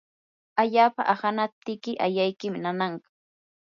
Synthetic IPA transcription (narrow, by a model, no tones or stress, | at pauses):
aʎaːpa̰ʔahanap̚t̪ɪkɪʔajajkɪmnanaɴkḁ